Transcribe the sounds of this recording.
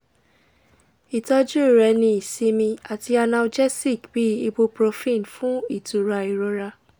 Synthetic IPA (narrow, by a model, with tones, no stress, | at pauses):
i˨tɔ˧d͡ʒu˦˨ɾɛ˨˦nĩ˧i˨si˧mĩ˧a˨ti˧a˧nã˧d͡ʒɛ˦si˦˨kb̥i˨˦i˧bo˧pɾo˧fĩ˦˨n˨fũ˦i˦˨tu˨ɾa˧i˨ɾo˧ɾa˧